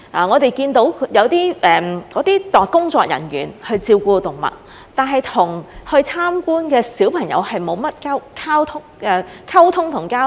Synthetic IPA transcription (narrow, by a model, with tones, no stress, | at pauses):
ʔaː˨˩ŋɔː˨˧t̪e˨jkiː˧nt̪o˨˧˥wʰjɐ˨˧wt̪iː˥ʔɛː˨kɔː˨˧˥t̪iː˥t̪ɔː˨kʊ˥ŋt͡sɔː˧k̚jɐ̰˨˩nɥy̰ː˨˩nhɵ˧ɥt͡siː˧wkuː˧t̪ʊ˨ŋmɐ̰˨t̚ | t̪aː˨nɦɐ˨˩jt̪ʰʊ˨˩ŋhɵ˧ɥt͡sʰaː˥mkuː˥nkɛː˧siː˨˥wpʰɐ˨˩ŋjɐ̰˨˧whɐ˨jmo˨˧wmɐ˥t̚kaː˥wkʰaː˥wt̪ʰʊ˥ŋɛ˨˧kʰɐ˥wt̪ʰʊ˥ŋt̪ʰʊ˨˩ŋkaː˥